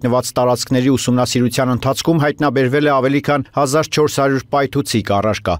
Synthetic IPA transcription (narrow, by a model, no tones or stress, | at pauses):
nəvɑt͡st̪ɑɾɑt͡sʰkʰnɛɾiusumnɑsiɾut͡sʰjɑnənt̪ʰɑt͡sʰkʰumɦɑjt̪n̪ɑbɛɾvɛlɛɑvɛlikʰɑnhɑzɑɾt͡ʃʰɔɾshɑɾjuɾpɑjt̪ʰut͡sʰikɑrɑɾkɑ̰